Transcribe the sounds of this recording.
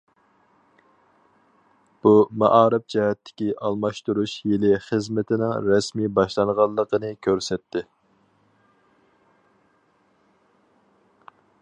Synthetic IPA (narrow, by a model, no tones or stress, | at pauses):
b̥umɑʔɑːɾɪp̚d͡ʒɛhɛt̪ʰːɪ̥kʲiʔɑlˠmɑʃt̪uɾuʃjelɪχəzmɪt̪ʰɪnɪŋɾɛsmibɑʃlˠɑŋʁɑlˠːəqənɨkʲʰøɾsɛt̪ʰːɪ